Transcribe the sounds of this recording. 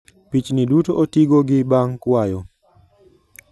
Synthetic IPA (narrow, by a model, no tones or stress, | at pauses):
pit͡ʃnidutoʔotiɡoɡɪbaŋkwajɔ